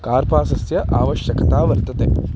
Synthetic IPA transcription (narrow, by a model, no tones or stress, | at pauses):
kaːɾpaːsɐsjɐʔaːʋɐʃjɐkɐt̪aːʋɐɾt̪ɐt̪ḛː